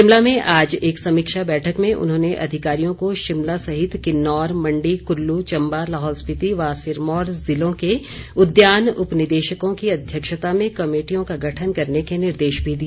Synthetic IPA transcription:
ɪmlamẽʔaːd͡ʒeːksɐmiːkʃabɛːʈʰəkmẽʔʊ̰nɦõːneʔɐ̰d̪ʱɪkaːɾijõkoʃɪmlasɐɦɪt̪kɪnːɔːɾmɐ̃ɳɖikʊɾlut͡ʃɐ̃mbalaɦɔːlspɪt̪iʋaːsɪɾmɔːɾzɪlõke | ʊd̪jaːnʊpnɪd̪eːʃəkõkiɐd̪ʱjəkʃət̪amẽkɐmeːʈijõkaɡʱɐʈʰənkɐɾnekenɪɾd̪eːʃbʱid̪i

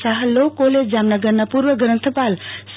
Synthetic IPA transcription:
saɦəlːokoled͡ʒd͡ʒamnəɡəɾnapuɾʋəɡɾənt̪ʰəpals

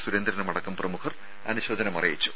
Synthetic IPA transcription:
suɾɐnd̪ɾɐnɐmɐɽɐkːɐmprɐmukʰɐr | ɐ̰nuɕʋɐːd͡ʑɐnɐmɐrɐjit͡ɕːu̥

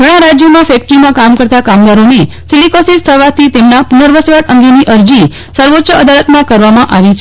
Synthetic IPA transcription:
ɡəɽ̃ãɾad͡ʒjəmãfɛk̚ʈɾimãkamkəɾt̪akamd̪aɾoni | silikosist̪ʰəʋat̪ʰit̪emnapunəɾʋəsʋaʈəŋɡeniʔəɾd͡ʒi | səɾʋoʃʰəəd̪alət̪mãkəɾʋamãʔaʋit͡ʃʰ

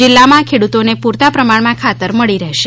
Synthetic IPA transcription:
d͡ʒɪlːamãkʰeɽut̪onepuɾt̪apɾəmaɽmãkʰat̪əɾməɭiɾəɦʃe

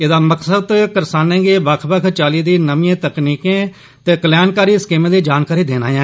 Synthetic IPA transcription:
ɪd̪aːməksəd̪kəɾsaːnẽːɡeːbəkʰbəkʰt͡ʃaːliːd̪iːnəʋiẽːt̪əkniːkẽː | t̪eːkəljaːnkaːɾiːskeːmẽːd̪eːd͡ʒaːnkaːɾiːd̪eːna̰ːjãː

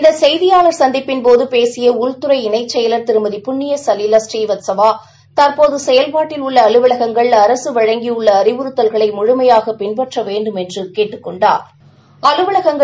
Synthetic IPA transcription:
ɪnd̪ɐsɛjðɪjaːlɐɾsɐnd̪ɪpːɪnpoːðɯpeːsɪjɐʊɻt̪ɯɾɐɪɪnɐɪt͡ʃːɛjɐlɐɾt̪ɪɾɯmɐðipʊɳːɪjɐsɐlɪlasʈiːʋɐt̪sɐʋaː | t̪ɐɾpoːðɯsɛjɐlpaːʈːɪlʊɭːɐːɭɯʋɐɭɐɣɐŋɡɐɭɐɾɐsɯʋɐɻɐŋɡiɯɭːɐːɾɪʋɯɾɯt̪ːɐlɣɐɭɐɪmʊɻʊmɐjaːɣɐpɪnpɐʈrɐʋeːɳɖɯmɛndrɯkeːʈːɯkːɔɳɖa̰ːɾ | ɐlɯʋɐɭɐɣɐŋɡɐ

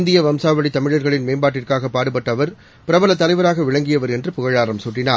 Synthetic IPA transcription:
nd̪ɪjɐʋɐmsaːʋɐɭit̪ɐmɪɻɐɾɣɐɭɪnmeːmbaːʈːɪrkaːɣɐpːaːɽɯpːɐʈːɐʋɐɾ | pɪɾɐbɐlɐt̪ːɐlɐɪʋɐɾaːɣɐʋɪɻɐŋɡɪjɐʋɐɾɛndrɯpʊɣɐɻaːɾɐmsʊʈːɪnaː

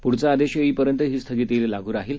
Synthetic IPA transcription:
puɽt͡saːd̪eɕjəiːpəɾjənt̪əɦiːst̪ʰəɡiːt̪elelaɡʱuːɾaɦiːl

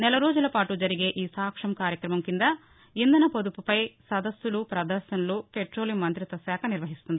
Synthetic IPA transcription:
nɛlɐɾoːd͡ʒulɐpaːʈud͡ʒɐɾiɡe̞ʔiːsaːkʂɐmɐkaːɾjɐkɾɐmɐmkind̪ɐ | ind̪ɐnɐpod̪upupɐjsɐd̪ɐsːulupɾɐd̪ɐɾʃɐnɐlupeʈɾo̞ːlimːɐnt̪ɾit̪ɐsaːkʰɐniɾʋɐɦist̪und̪i

